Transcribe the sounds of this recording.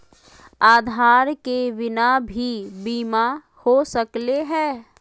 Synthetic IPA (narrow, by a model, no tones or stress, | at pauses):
aːd̪ʱaːɾkeʋɪnabʱibiːma | hosəkleɦɛ̃ː